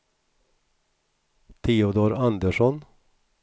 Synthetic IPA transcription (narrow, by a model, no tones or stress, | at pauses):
t̪ʰiːʊd̪oːɾand̪əʂɔn